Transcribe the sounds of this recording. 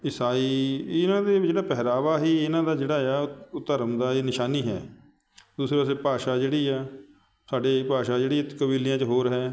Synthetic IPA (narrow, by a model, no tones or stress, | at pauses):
ɪsaːiːɪnãːd̪eːd͡ʒeːɽaːpɛːɾaːʋaːɦiːɪnãːd̪aːd͡ʒeːɽaːjaːʊt̪əɾmd̪aːeːnɪʃaːniːɦɛ̰ː | d̪uːsɾeːpaːs̬eːpaːʃaːd͡ʒeːɽiːaː | sʰaːɖeːpaːʃaːd͡ʒeːɽiːɛːkəbiːlɪjãːt͡ʃəɦoːɾɦɛː